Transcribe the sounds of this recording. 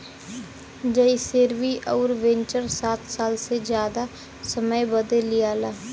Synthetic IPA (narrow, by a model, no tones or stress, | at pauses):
d͡ʒəiseːɾʋiːʔɔːɾʋẽɲt͡ʃəɾsaːt̪ʰsaːlsed͡ʒjaːd̪a | səməjbəd̪elɪjaːlaː